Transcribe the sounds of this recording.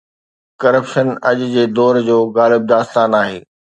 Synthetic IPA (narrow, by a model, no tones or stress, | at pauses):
kɐɾəpʃənɐʄʊd͡ʑeːd̪ɔːɾd͡ʑoːɣaːlɪb̚d̪aːst̪aːnaːɦeː